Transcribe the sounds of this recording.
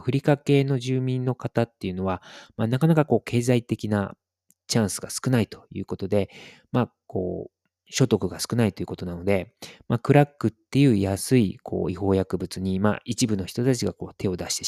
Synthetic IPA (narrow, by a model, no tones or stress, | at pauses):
ɸɯ̟ɾʲikake̞no̞ʑɨːmʲĩnːo̞kat̪at̪ːe̞jɯ̟no̞βamanakanakako̞ːkʰe̞ːzait̪e̞kʲina | t͡ɕãɰ̃sɨɡasɨ̥kɯ̟nait̪o̞̥jɯ̟̰ːko̞t̪o̞d̪e̞ | mako̞̰ː | ɕo̞t̪o̞kɯ̟ɡasɨ̥kɯ̟nait̪o̞jiɯ̟ko̞t̪o̞nano̞d̪e̞makɯ̟ɾakːɯ̟t̪ːe̞jɯ̟ːjasɨikʰo̞̰ːiho̞ːjakɯ̟bɯ̟t͡sɨɲ̟ima̰it͡ɕibɯ̟no̞çi̥t̪o̞t̪at͡ɕiɡako̞ːt̪ʰe̞o̞d̪aɕi̥t̪e